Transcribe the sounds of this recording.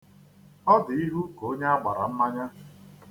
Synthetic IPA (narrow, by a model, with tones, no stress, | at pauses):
ɔ˦dɪ˨i˦ɦu˦ko˦ɲe˦a˦ɡ͡ba˨ɾa̰˨m̩˦ma˦ɲa˦